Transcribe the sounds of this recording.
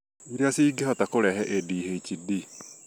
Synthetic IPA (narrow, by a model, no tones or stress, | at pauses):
iɾeasiːɡehɔtakoɾɛɦɛʔediːɦeit͡ʃidi